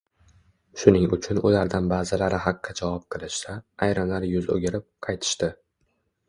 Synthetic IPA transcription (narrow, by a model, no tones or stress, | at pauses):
ʃʊnɪŋʊt͡ʃʰʊnʊ̰laɾd̪anbaːzɪlaɾɪɦɑqʰːɨd͡ʒavɑp̚qʰɨlˠɪʃsaːjɾɨmlaɾjʊzo̰ɡʲɪɾɪp̚qʰɑjt̪ʰɪ̥ʃt̪ɪ